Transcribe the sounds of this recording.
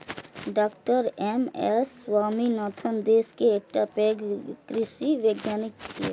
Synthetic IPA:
ɖaːkʈəɾɛmɛsːwaːminaːt̪ʰənd̪eːskeːk̚ʈapeːɡkɾɪʃiʋjəɡjaːnɪk̚t͡ʃʰiḛ

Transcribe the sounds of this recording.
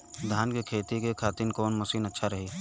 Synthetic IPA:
d̪ʱaːnkekʰeːt̪ikekʰaːt̪inkɔːnmɐsiːnɐtːʃʰaɾɐɦiː

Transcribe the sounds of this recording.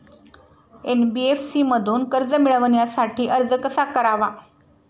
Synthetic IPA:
enbiefsiːməd̪ʱuːnkəɾd͡zəmiɭʋəɳjasaʈiːʔəɾd͡zəkəsakəɾaʋa

